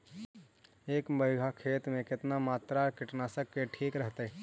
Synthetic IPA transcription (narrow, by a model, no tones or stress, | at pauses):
eːkməɪɡʱakʰeːt̪mẽkɪt̪namaːt̪ɾakɪʈnaːsəkːeʈʰiːkɾəɦt̪eɛ